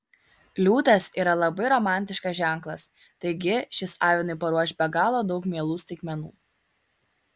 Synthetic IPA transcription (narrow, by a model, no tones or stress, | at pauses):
lʲuːt̪ɐsiːɾɐlˠɐbɐɪɾɔmɑˑnʲt̪ʲɪʃkɐsʒʲæˑŋˑklˠɐs | t̪ɐɪɡʲɪʃʲɪsɑːʋʲɪnɐɪpɐɾuɔʃʲbʲɛɡɑːlˠoːd̪ɒʊkmʲiɛlˠuːsʲt̪ʲɪkmʲɛnṵː